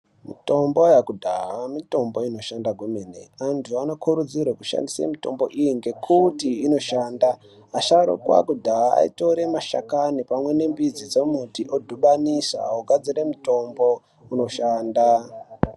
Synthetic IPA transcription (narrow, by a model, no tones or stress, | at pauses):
mito̞mbo̞jakudʱaɦamito̞mbo̞ino̞ʃandaɡʱumenḛantʰuano̞kʰuɾud͡zirwakuʃa̰ndisḛmito̞̰mbo̞ʔijiŋɡe̞kʰutiːno̞ʃaːndaː | ʃaɾo̰kwa̰kudʱaɦaa̰ḭto̞ɾe̞maʃa̰kanipamwe̞ne̞mbid͡zid͡zomutiʔodʱuɓanisa̰oɡʱad͡ziɾemuto̞mbo̞ | uno̞ʃaːnda